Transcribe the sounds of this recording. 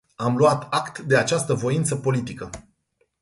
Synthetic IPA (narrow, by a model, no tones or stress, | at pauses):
amluwat̪akt̪d̪e̞at͡ʃast̪əvo̞int̪səpo̞lit̪ikə